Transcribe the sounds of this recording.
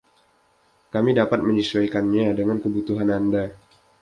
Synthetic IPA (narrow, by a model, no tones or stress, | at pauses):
kamidapat̪̚məɲisuwajkanɲadəŋankəbut̪uɦananda